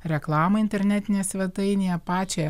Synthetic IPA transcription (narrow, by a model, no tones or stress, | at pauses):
ɾʲɛklˠɑːmɐɪnʲt̪ʲɛɾʲnʲæt̪ʲɪnʲeːsʲʋʲɛt̪ɐɪnʲejɛpɑːt͡ʃʲɛ